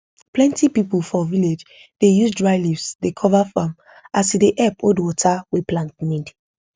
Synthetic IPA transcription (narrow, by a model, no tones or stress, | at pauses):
plɛ̃ntipipulfɔviled͡ʒ | d̥ejusdɹaɪlivsdekʰɔvafãm | asideʔɛpodwɔtʰawiplãntnĩd